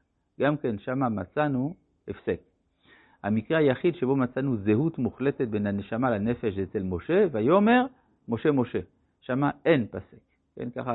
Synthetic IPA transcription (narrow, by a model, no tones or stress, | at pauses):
ɡamke̞nʃamamat͡sanu | efse̞k | hamikʁehajaχidʃebo̞mat͡sanuzeɦut̪muχle̞tet̪̚be̞naneʃamalane̞fe̞ʃet͡selmo̞ʃe̞vajo̞me̞ʁ | mo̞ʃe̞mo̞ʃe̞ | ʃamae̞npasek | kḛnka̰χa